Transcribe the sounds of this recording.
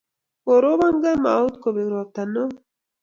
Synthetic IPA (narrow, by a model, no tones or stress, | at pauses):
oɾoβaŋɡama̰wt̪kobeɡɾop̚t̪ano